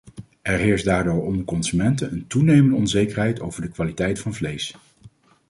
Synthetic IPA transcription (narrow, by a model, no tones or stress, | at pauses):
ɛɹɦɪːɹsdaːɹdoːɹɔməkɔnzymɛntənəntunejməndəɔnzejkəɹɦɛjtʰo̰wv̥əɹdəkʋaːlitɛjtfɑnvlejs